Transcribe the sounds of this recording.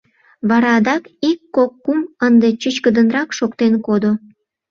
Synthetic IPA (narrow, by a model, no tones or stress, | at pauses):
βɑɾɑd̪ɑkikːokːumənd̪et͡ɕət͡ɕkəd̪ənrɑkʃokt̪enkod̪o